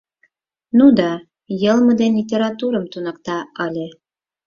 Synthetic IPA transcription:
nud̪ɑ | jɤ̆lˠmɤ̆d̪enlʲit̪ʲeɾɑt̪uɾɤ̆mt̪unɑk̚t̪ɑɑlʲe

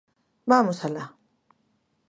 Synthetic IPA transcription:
baːmusala

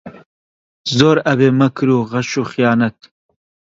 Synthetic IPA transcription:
zoːɾɐbeːmɐkɾuːɣɐʃuːxijɑːnɐt̪

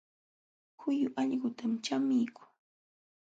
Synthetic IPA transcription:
hʊjʊʔaʎɢʊt̪amt͡ʃamɪjkʊ̥ŋ

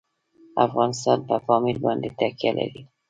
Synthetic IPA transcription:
afɣɑnɪst̪ɑnbafɒmilband̪it̪akijala̰di

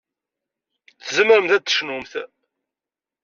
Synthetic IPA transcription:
θəzəməɾəmθæd̪ə̥ʃnumθ

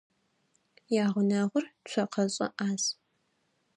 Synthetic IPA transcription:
jaːʁʷʊnaːʁʷʊrt͡ʃʷʰɐqʰɐɕʼɐ̰ʔaːz

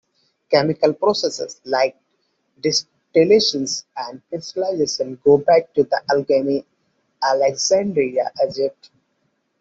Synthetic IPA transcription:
kɛmɪkəlpɾoːsesḛslaɪk̚ | ɖɪs | ʈileːʃə̃nsæ̃ɳɖfesʈəlaɪzeːʃə̃nɡoːbæk̚ʈud̪əʔælɡeni | æleksæ̃ɳɖɾiaʔed͡ʒeʈ

